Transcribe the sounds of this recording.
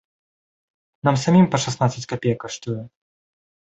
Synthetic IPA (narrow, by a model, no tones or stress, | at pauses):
namsamʲimpɐʂasnat̪sət͡sʲkapʲejkɐʂt̪ujɛ